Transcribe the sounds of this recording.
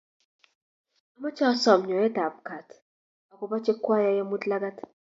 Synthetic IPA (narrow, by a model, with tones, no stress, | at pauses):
a˦ma˦t͡ʃa˦ɔ˦sɔ˨mɲɔ˨jɛ˦da˨p̚ka˨tʰ | a˨kɔ˦ba˦t͡ʃɛ˦kwa˦ja˦ja˦mu˦tla˦ɡa˦tʰ